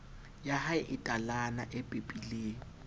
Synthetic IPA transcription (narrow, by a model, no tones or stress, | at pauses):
jahaɪʔɪtʼalana̰ʔɪpʼepʼileːŋ̩